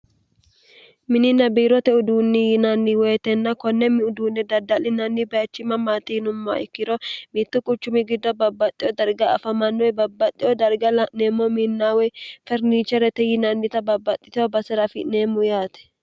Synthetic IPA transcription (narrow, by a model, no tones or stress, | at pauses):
mɪnɪnɐbiːɾɔt̪ɛʊd̪uːnːɪjɪnɐnːɪwɛːt̪ɛnːɐkɔnːɛmɪʊd̪uːnːɛd̪ɐd̪ɐlɪnɐnːɪbɐjɐt͡ʃːɪmɐmaːt̪ɪjnʊmːɔa̰ɪkːɪɾɔmit̪ːʊkʼʊt͡ʃːʊmɪɡɪd̪ːɔbɐbːɐt̪ʼːɪjɔd̪ɐɾɡɐɐ̰fɐmɐnːɔjbɐbːɐt̪ʼːɪjɔd̪ɐɾɡɐlɐneːmːɔminːaːwɛfɛɾniːt͡ʃːɛɾɛt̪ɛjɪnɐnːɪt̪ɐbɐbːɐt̪ʼːɪ̥t̪ɪɔbɐsɛɾɐfɪneːmːʊjaːt̪ɛ̥